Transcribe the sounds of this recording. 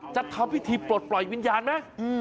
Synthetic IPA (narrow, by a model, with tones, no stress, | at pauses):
t͡ɕa˨˩t̪ʰːɔː˧˥mpʰi˦˥t̪ʰiː˧pɾo˨˩t̪̚plɔ˨˩jwi˦˥njaː˧nma˦˥˩ʔɯː˧